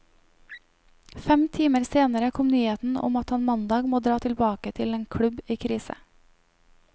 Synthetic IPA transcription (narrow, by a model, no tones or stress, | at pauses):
fɛmt̪ʰiːməɾseːnəɾəkʰɔmnyːeːt̪n̩ʊ̰mɑt̪ɑnmɑnd̪ɑːɡmoːd̪ɾɑːt̪ʰɪlbɑːkət̪ʰɪleːnkʰɽʉbiːkʰɾiːsə̰